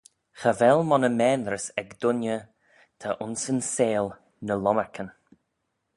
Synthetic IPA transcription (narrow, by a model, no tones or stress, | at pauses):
xavɛlmɔnəmɛːnɾəsɛkd̪ʊnjə | t̪ʰaʔʊnsənseːl | nəlɔməɹkʰən